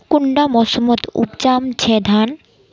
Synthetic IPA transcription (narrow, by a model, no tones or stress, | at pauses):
kuɳɖamɔʃomot̪ṵpt͡ɕamt͡ɕʰed̪ʱan